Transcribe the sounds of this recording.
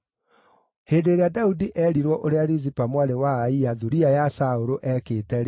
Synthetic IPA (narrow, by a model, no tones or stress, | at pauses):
heːndeːɾeadaudiʔɛɾiɾwɔʔoɾeaɾizipamwaɾewaːiaðuɾiajasaoɾoʔɛkeːtɛɾ